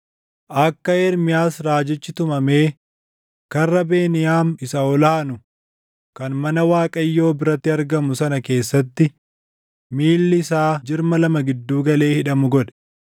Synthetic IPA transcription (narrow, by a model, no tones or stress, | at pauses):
ʔɐkːɐɛɾmɪjaːsɾaːd͡ʒɪt͡ʃːɪt̪ʊmɐme̞ː | kɐrːɐbe̞ːnɪjaːmɪsɐɔlaːɐnʊ | kɐnmɐnɐwaːkʼɐjːo̞ːbɪɾɐt̪ːɪɐɾɡɐmʊsɐnɐke̞ːsːɐt̪ːɪ | miːlːɪɪsaːd͡ʒɪɾmɐlɐmɐɡɪd̪ːuːɡɐle̞ːhɪᶑɐmʊɡɔᶑɛ̥